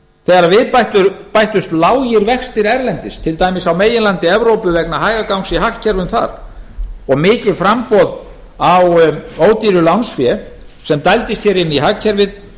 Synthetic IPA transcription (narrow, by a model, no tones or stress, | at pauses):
θɛːɣaɾavɪðpat̪ʏɾpajht̪ʏst̪laːwjɪɾvɛxst̪ɪɾɛɾlɛnt̪ɪst̪ʰɪlt̪aːjmɪsawmeːjɪnlant̪ɪɛvɾowpʏvɛknaɦaːjɣakawŋsiɦahcʰɛɾvʏmθa̰ɾ̥ | ɔɣmɪːcɪðfɾampɔð | awoːwt̪iɾʏlawnsfjɛ | sɛmt̪ajlt̪ɪst̪θçjɛɾɪnːiɦahcʰɛɾvɪð